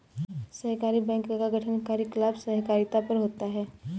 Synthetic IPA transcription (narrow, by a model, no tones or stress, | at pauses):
sɐɦkaːɾibɛ̃ːŋkkːaɡʱɐʈʰənkaːɾjiklaːbsɐɦkaːɾɪt̪apɐɾɦoːt̪aɦɛː